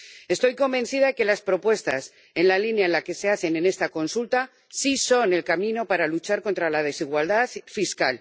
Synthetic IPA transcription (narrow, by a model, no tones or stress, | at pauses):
e̞st̪o̞jko̞mbẽ̞nθið̞ake̞laspɾo̞pwe̞st̪a̰s | e̞nlalinjaenlake̞se̞aθe̞ne̞ne̞st̪ako̞nsult̪a | siso̞ne̞lkamĩno̞paɾalut͡ʃaɾko̞nt̪ɾalað̞e̞siɣwald̪aðfiskal